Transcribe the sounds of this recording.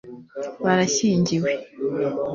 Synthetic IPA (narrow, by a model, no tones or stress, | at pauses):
βaɾaɕiːɲɟiwe